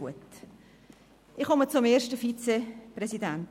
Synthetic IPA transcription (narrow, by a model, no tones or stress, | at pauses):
uət | ɪχɔmət͡sʊmeːɾʃtəfit͡seprɛsidænt